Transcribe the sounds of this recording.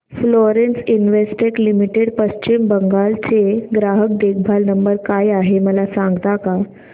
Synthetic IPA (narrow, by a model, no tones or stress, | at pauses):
floɾensinʋesʈeklimiʈeɽpəɕt͡ɕimbəŋɡalt͡seɡɾaɦək̚d̪ek̚ʰbʱalnəmbəɾkajaɦeməlasãŋɡt̪aka